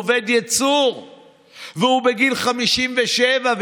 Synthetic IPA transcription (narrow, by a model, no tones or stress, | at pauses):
ved̪jat͡suʁ | veubeɡilχamiʃimveʃevav